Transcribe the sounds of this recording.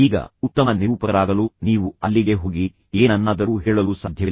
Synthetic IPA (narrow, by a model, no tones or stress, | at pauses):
iːɡɐ̰ut̪ːɐmɐniʋupɐɐɾaːɡɐluniːʋuɐlːiɡe̞ɦoːɡi | eːnɐnːaːd̪ɐɾuːɦɛːɭɐluːsɐd̪ʱjɐ